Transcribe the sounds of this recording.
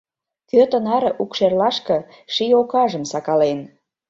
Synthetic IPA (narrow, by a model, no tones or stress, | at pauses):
t̪øt̪ə̆nɑɾɤʔukʃerlɑʃkɤ̆ | ʃijokɑʒə̆msɑkɑlen